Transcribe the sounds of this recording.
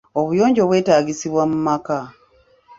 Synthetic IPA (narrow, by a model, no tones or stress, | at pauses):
oβujo̞ːɲɟo̞βwe̞ːtaːɡisiβwamumaka